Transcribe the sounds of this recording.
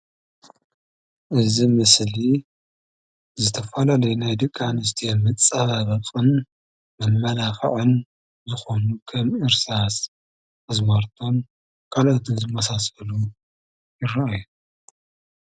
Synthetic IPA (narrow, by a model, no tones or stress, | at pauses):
ʔɨzimɨsli | zɨt̪ʰɐfɐlalɐjunajd̪ɨkʼːanɨst̪ʰemɨt͡sʼɐβaβɐkʼɨn | mɐmːɐlaxɨ̰ʕɨn | zɨxo̞nukʰɐmɨɾsas | ɐzmaɾt̪ʰo̞n | kʰalot̪ʰɨnzɨmːɐsasɐlu | jɪrːɐaju